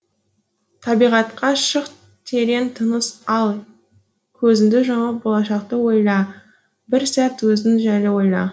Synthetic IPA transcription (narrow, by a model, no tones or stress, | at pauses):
t̪ʰɑbijʁɑt̪qɑʃəq | t̪ʰe̞ɾe̞nt̪ʰənəsɑlˠ | kʲʰɵzɪnd̪ɪʒɑməp̚bo̞lˠɑʃɑqt̪əwo̞jlˠɑ | bɪɾsæt̪wɵzɪnʒælɪwo̞jlˠɑ̰